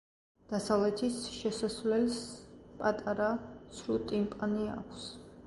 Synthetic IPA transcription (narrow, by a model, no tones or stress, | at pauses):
d̪̥asavlɛt̪ʰisʃɛsasvlɛlspʼat̪ʼaɾasɾut̪ʼimpʼania̰kʷʰs